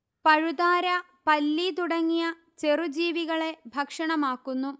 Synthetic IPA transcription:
pɐɻud̪aːɾɐ | pɐlːit̪uɽɐŋːijɐ | t͡ɕe̞rud͡ʑiːʋiɣɐɭe̞bʱɐkʂɐɳɐmaːkːunːu

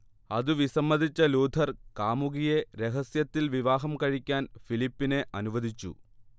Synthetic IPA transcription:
ɐðɯʋisɐmːɐðʱit͡ɕːɐluːd̪ʰʱɐɾkaːmuɣijeɾeɦɐsjɐt̪ːilʋiʋaːɦɐmkɐɻikʲːaːnfilipːineʔɐnuʋɐðit͡ɕːṵ

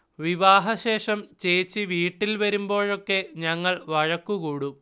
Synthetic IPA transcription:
ʋiʋaːɦɐɕe̞ːʂɐmt͡ɕejt͡ɕːiʋiːʈːilʋɐɾumbo̞ːɻo̞kːe̞ɲɐŋːɐɭʋɐɻɐkːukuːɽu

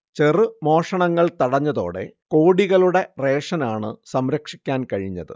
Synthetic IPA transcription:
t͡ɕerɨmo̞ːʂɐɳɐŋːɐɭt̪ɐɽɐɲːɐðo̞ːɽe̞̰ko̞ːɽiɣɐɭuɽe̞re̞ːʂɐnaːɳɨsɐmɾɐkʂikʲːaːnkɐɻiɲːɐ̰ðɨ̰

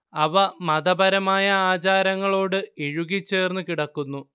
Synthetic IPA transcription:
ɐʋɐmɐd̪ɐbɐɾɐmaːjɐaːt͡ɕaːɾɐŋːɐɭo̞ːɽɨeɻuɣit͡ɕːe̞ːrnɨkiɽɐkːunːu

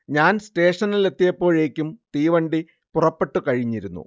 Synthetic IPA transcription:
ɲaːnsʈe̞ːʂɐnile̞t̪ːijɐpːo̞ːɻe̞ːkʲːumt̪iːʋɐɳɖi | purɐpːe̞ʈːɨkɐɻiɲːiɾunːṵ

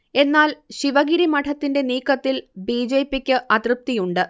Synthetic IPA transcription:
e̞nːaːlɕiʋɐɣiɾimɐʈʰɐt̪ːinde̞niːkːɐt̪ːilbiːd͡ʑeːpːikʲːɨʔɐt̪rɨp̚t̪ijuɳɖɨ

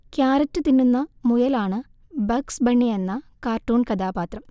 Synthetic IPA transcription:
kjaːɾɐtːɨt̪inːunːɐmujɐlaːɳɨ | bɐksbɐɳːijenːɐkaːrʈːuːɳkɐd̪aːbaːt̪rɐm

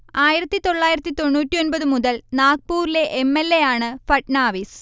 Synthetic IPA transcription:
aːjiɾɐt̪ːit̪o̞ɭːaːjiɾɐt̪ːit̪o̞ɳːuːtːionbɐðɨmuðɐlnaːk̚puːɾile̞ʔemːelːe̞jaːɳɨfɐʈnaːʋis

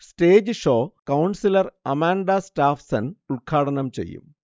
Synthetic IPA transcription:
ste̞ːd͡ʑɨʂo̞ːkɐwɳsilɐrɐmaːɳɖɐstaːfsɐnuɭkʰaːɽɐnɐmt͡ɕe̞̰jːṵm

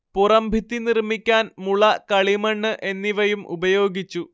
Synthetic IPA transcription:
purɐmbʱit̪ːinirmikʲːaːnmuɭɐkɐɭimɐɳːɨʔe̞nːiʋɐjumʔṵbɐjo̞ːɡit͡ɕːu

